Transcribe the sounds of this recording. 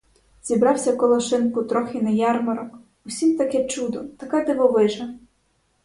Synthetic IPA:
z̥ʲibɾɑwsʲɐkɔlˠɐʃɪnkʊt̪ɾɔxɪnɐjɑrmɐɾɔk | usʲimt̪ɐkɛt͡ʃud̪ɔt̪ɐkɑd̪ɪʋɔʋɪʒɐ

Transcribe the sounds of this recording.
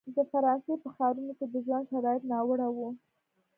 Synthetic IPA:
d̪əfaɾɑnsepəxɑɾunoked̪əʒwand̪ʃaɾɑjɪt̪nɑwəɽawu

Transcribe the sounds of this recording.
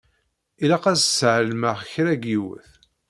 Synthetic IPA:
ilæqæssʕəlməʁçɾæɡiwə̰θ

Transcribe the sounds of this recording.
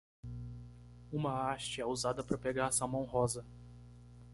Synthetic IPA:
ũmɐaʃt͡ʃɪɛuzad̪ɐpɾɐpeɡaɾsɐmɐ̃w̃ɦɔzɐ

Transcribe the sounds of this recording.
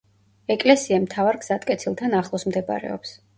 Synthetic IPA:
ɛkʼlɛsiamt̪ʰavaɾɡz̥at̪ʼkʼɛt̪sʰilˠt̪ʰanaχlˠɔsmd̪ɛba̰ɾɛ̰ɔ̰ps

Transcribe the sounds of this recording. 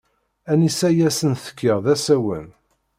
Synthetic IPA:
ænisæjæsənθə̥kːəʁðæsæwə̰n

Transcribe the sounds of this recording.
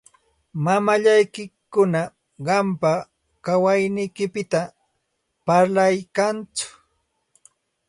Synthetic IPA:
mamaʎajkɪkʊna | ɢɑmpa | kawajnɪjkɪpɪt̪a | paɾlajkant͡sʊ̥

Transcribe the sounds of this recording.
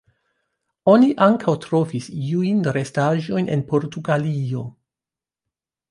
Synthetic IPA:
o̞niʔaŋkʰawtɾo̞fisiujnɾe̞staʒo̞jne̞̰npo̞ɾtuɡalio̞

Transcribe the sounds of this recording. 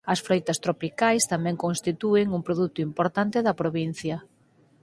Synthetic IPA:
ɐsfɾojt̪ɐst̪ɾopikajst̪amɛ̃ŋkõŋst̪it̪uɪŋuŋpɾoðut̪ʊimpoɾt̪ant̪ɪðɐpɾoβin̟θjɐ

